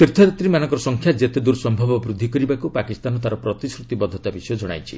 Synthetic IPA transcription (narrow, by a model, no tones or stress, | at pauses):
t̪iɾt̪ʰɔd̪at̪ɾimanɔ̃ŋkɔɾɔsɔŋkʰjad͡ʒet̪ed̪uɾsɔmbʱɔbɔbɾud̪ʱːikɔɾibakupakist̪anɔt̪aɾɔpɾɔt̪isɾut̪ibɔd̪ʱːɔt̪abisɔjɔd͡ʒɔɽ̃a̰jt͡ʃʰi